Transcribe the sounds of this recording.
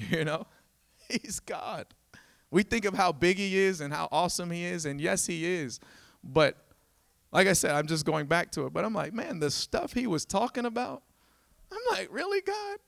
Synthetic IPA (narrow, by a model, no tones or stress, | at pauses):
jɨnoʊ | hizɡɑ̰d̥ | wiθɪ̃ŋkʌv̥haʊbɪɡiɪzɨ̃nha̰ʊʔɔsə̃miɪzɨ̃njɛshiɪz̥ | b̥ʌt̚ | lʔaɪkaɪsɛɾãɪ̃md͡ʒʌs̬ɡ̥oʊɪ̃ŋbæk̚tʰɨət̚b̥ʌɾãɪ̃mla̰ɪk̚mæ̃nðɨstʌfhiwʌz̥tʰɔkɪ̃ŋəbaʊt̚ | ãɪ̃mlaɪkɹɪlˠiɡɑd̥̚